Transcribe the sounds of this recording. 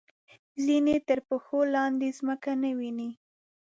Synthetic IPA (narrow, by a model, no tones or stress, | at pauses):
zinet̪əɾpəxolɑnd̪ezməkanawini